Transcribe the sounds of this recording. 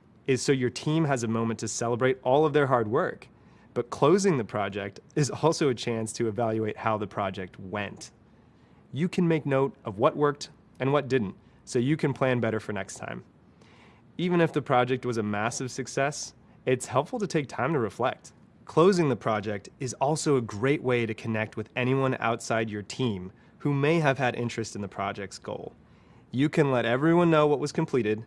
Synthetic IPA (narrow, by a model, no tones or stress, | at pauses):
ɨz̥soʊjə˞tʰĩmɨzɨmõʊ̃mɨ̃ntʰɨsɛlˠəbɹeɪɾʔɔlˠʌvðə˞ɦɑɹd̚wɜ˞k | b̥ʌt̚kʰl̥oʊzɪ̃ŋðɨpʰɹ̥ɑd͡ʒɛ̰k̚tɨzɔlˠsoʊɨt͡ʃʰæ̃nstʰɨːvælˠjʉeɪt̚haʊðɨpʰɹ̥ɑd͡ʒɛk̚t̚wɛ̰̃nt | jɨkʰɨ̃nmeɪk̚noʊɾʔʌvwʌʔ̚wɜ˞k̚t | ɨ̃nwʌt̚d̥ɪdⁿn̩t | soʊjɨkʰɨ̃npʰl̥æ̃nbɛɾə˞fə˞nɛ̰kstʰã̰ɪ̃m | ivɨ̃ñɨfðɨpʰɹ̥ɑd͡ʒɛk̚t̚wʌzɨmæsɨv̥sɨksɛs | ɪtshɛlˠpfl̩ˠtɨtʰeɪk̚tʰãɪ̃mtɨɹɨflɛ̰k̚t̚ | kʰl̥oʊzɪ̃ŋðɨpʰɹ̥ɑd͡ʒɛk̚tɨzɔlˠsoʊɨɡɹeɪʔweɪɾɨkʰɨnɛk̚t̚wɨðɛɾ̃iwʌ̃na̰ʊtsaɪd͡ʒə˞tʰĩm | humeɪɨv̥ɨɾʔɪ̰̃nt͡ʃɹ̥ɨstn̩ðəpʰɹ̥ɑ̰d͡ʒɛk̚tsɡ̥o̰ʊlˠ | jɨkʰɨ̃nlɛɾɛvɹiwʌ̃nːoʊwʌt̚wʌz̥kʰɨ̃m̩pʰl̥iɾɪd̥̚